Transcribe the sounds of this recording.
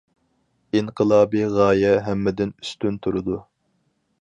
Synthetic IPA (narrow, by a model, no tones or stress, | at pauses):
iŋqʰəlˠɑːbiʁɑːjɛɦɛmːɪd̪ɪnyst̪ynt̪ʰuɾɨd̪u